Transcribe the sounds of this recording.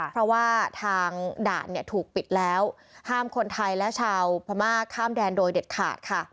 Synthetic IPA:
ppʰɾɔ˦˥waː˥˩t̪ʰaː˧ŋda̰ː˨˩t̪̚ni˥˩ɐt̪ʰuː˨˩k̚pi˨˩t̪̚lɛː˦˥w | haː˥˩mkʰo˧nt̪ʰa˧jlɛ˦˥ʔt͡ɕʰaː˧wpʰa˧maː˥˩kʰaː˥˩mdɛː˧ndoː˧jde˨˩t̪̚kʰa̰ː˨˩t̪̚kʰa˥˩

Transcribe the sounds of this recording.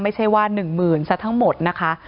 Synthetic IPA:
ma˥˩jt͡ɕʰa˥˩jwaː˥˩nɯ˨˩ŋmɯː˨˩nsa˦˥t̪ʰa˦˥ŋmo˨˩t̪̚na˦˥kʰa˦˥

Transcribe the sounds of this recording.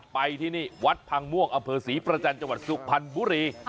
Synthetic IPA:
pa˧jt̪ʰiː˥˩niː˥˩wa˦˥t̪̚pʰa˧ŋmu˥˩ək̚ʔa˧mpʰɤː˧siː˩˦pɾa˧t͡ɕa˧nt͡ɕa˧ŋwa˨˩t̪̚su˨˩k̚pʰa˧nbuː˧˦ɾiː˧

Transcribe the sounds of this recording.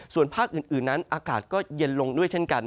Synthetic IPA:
su˨˩ənpʰaː˥˩k̚ʔɯː˨˩nʔɯː˨˩nːa˦˥nʔaː˧kaː˨˩t̪̚kɔː˥˩je˧nlo˧ŋdu˥˩əjt͡ɕʰe˥˩nka˧n

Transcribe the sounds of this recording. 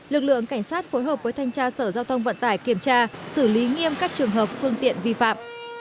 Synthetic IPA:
lɨ˨˩k̚lɨ̰˧˨əŋka˧˩jŋ̟saː˦˥t̚fo˨˦jɦəː˨˩p̚vəː˨˦jt̪ʰa˧jŋ̟t͡ɕaː˧səː˧˩zaː˧wt̪ʰə˧wŋ͡mvə̰˧˨nt̪aː˧˩jki˧˩əmt͡ɕaː˧sɨ˧˩li˨˦ŋi˧əmkaː˦˥k̚t͡ɕɨ˨˩əŋɦəː˨˩p̚fɨ˧əŋt̪ḭ˧˨ənvi˧fa̰ː˧˨m

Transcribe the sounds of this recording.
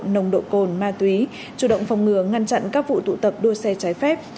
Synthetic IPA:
nə˨˩wŋ͡mɗo̰˧˨ko˨˩nmaː˧t̪wi˨˦ | t͡ɕu˨˩ɗə̰˧˨wŋ͡mfa˨˩wŋ͡mŋɨ˨˩əŋa˧nt͡ɕa̰˧˨nkaː˦˥k̚vṵ˧˨t̪ṵ˧˨t̪ə˨˩p̚ɗu˧əsɛ˧t͡ɕaː˨˦jfɛ˦˥p̚

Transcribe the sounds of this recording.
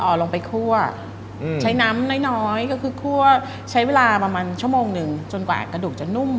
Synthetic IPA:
ʔɔː˨˩lo˧ŋpa˧jkʰu˥˩ɐ | t͡ɕʰa˦˥jna˦˥mnɔː˥˩jnɔː˦˥jkɔː˥˩kʰɯː˧kʰu˥˩ə | t͡ɕʰa˦˥jweː˧laː˧pa˧maː˧nt͡ɕʰu˥˩əmoː˧ŋnɯ˨˩ŋt͡ɕo˧nkwa̰ː˨˩kɾa˧du˨˩k̚t͡ɕa˨˩nu˥˩m

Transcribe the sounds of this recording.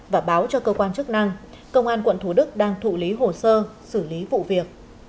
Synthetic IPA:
vaː˨˩ɓaː˨˦wt͡ɕɔ˧kəː˧kwaː˧nt͡ɕɨ˦˥k̚na˧ŋ | kə˧wŋ͡mʔaː˧nkwə̰˧˨nt̪ʰu˧˩ɗɨ˦˥k̚ɗaː˧ŋt̪ʰṵ˧˨li˨˦ɦo˨˩səː˧sɨ˧˩li˨˦vṵ˧˨vi˨˩ək̚

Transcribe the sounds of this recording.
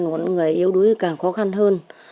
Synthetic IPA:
nmo˨˩ŋɨ˨˩əjʔi˨˧əwɗu˨˦jkaː˨˩ŋxɔ˨˦xa˧nɦəː˧n

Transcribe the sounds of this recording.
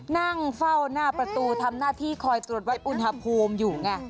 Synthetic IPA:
na˥˩ŋfa˥˩wnaː˥˩pɾa˧t̪uː˧t̪ʰa˧mnaː˥˩t̪ʰiː˥˩kʰɔː˧jt̪ɾu˨˩ət̪̚wa˦˥jʔu˧nha˧pʰuː˧mjuː˨˩ŋa˧˩

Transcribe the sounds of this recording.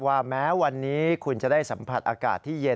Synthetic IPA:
waː˧˩mɛː˦˥wa˧nːiː˦˥kʰu˧nt͡ɕa˨˩daː˥˩jsa˩˦mpʰa˨˩t̪̚ʔaː˧ka̰ː˨˩t̪ʰːiː˥˩je˧

